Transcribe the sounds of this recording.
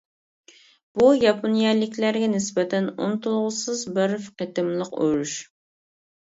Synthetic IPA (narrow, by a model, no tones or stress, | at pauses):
b̥ujɑpʰonjɑlɪkʲʰlæɾɡʲɛnɪsbɛt̪ʰɛnṵnt̪ulˠʁʊsɨzbɪɾfqet̪ɪmlˠəqyɾuʃ